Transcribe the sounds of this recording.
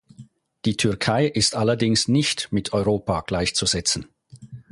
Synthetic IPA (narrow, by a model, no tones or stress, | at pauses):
d̥iːtʰʏɐkʰaɪʔɪstʔalɐdɪŋsnɪçtmɪtʰɔʏʁoːpaɡ̥laɪçt͡suzɛt͡sn̩